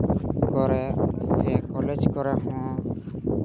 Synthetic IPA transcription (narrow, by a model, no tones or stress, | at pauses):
kɔɾɛsɛkɔled͡ʒkɔɾɛɦɔ̃